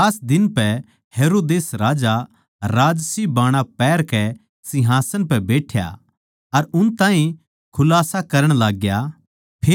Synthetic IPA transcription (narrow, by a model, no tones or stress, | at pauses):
aːsd̪ɪnpɛ | heːɾoːd̪eːsɾaːd͡ʒa | ɾaːd͡ʒsibaːɽ̃apɛːɾkɛ | sɪɦaːsənpɛbeːʈʰja̰ | ɐɾʊnt̪ãːɦĩ | kʰʊlaːsakɐɾəɽ̃laːɡja | pʰeː